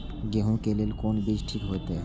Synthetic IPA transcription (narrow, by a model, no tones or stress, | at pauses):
ɡeɦũkelelkonbid͡ʒʈʰik̪ɦoet̪e